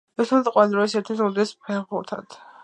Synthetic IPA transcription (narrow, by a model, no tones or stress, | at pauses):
ɛt̪ʰɔt̪ʼqʼwad̪ɾɔisɛt̪ʰiɔd̪ɛspʰɛʁulˠt̪ʰa̰t̪ʰ